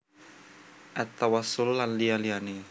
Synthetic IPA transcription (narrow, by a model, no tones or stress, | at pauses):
ʔat̪awasʊlːanlijaliane